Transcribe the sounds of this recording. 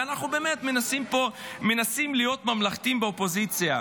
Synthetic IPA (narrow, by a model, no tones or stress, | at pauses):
anaχnube̞ːmet̪me̞nasimpome̞nasimlijo̞t̪mamlaχt̪imbeopo̞zit͡sija